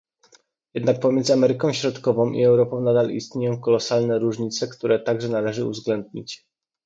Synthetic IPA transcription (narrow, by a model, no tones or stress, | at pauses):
jɛd̪nak̚pɔmʲjɛnd̪zɘamɛɾɘkɔ̃w̃ɕɾɔt̪kɔvɔ̃w̃ʔḭɛwɾɔpɔ̃w̃nad̪alḭst̪ɲejɔ̃w̃kɔlɔsalnɛɾuʐɲit̪sɛkt̪uɾɛt̪aɡʐɛnalɛʐɘṵvzɡlɛnd̪̚ɲit͡ɕ